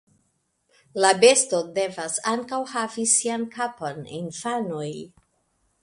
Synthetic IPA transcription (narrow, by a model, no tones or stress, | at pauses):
labe̞sto̞de̞vasaŋkawhavisiankaponinfanoj